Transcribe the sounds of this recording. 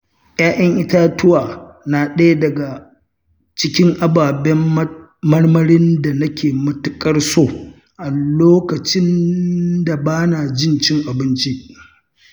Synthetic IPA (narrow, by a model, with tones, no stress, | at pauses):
ʔjaː˦ʔɛ˦ŋʔɪ˦taː˦tʊ˦waː˨na˨ɗɐ˦ja˦dɐ˨ɡa˨ | t͡ʃɪ˦kʲɪ˦ŋʔa˦baː˨bɛ˦m˦ | mɐ˦rmɐ˦ɾɪ˦nda˨nɐ˦kʲeː˨mʊ˦tʊ˦kʼɐ˦rsoː˦˨ | ʔa˨loː˦kɐ˨t͡ʃɪ˦n | da˨baː˦na˨d͡ʒɪ˦nt͡ʃɪ˦ŋʔa˨bɪ˦nt͡ʃi˦ʔ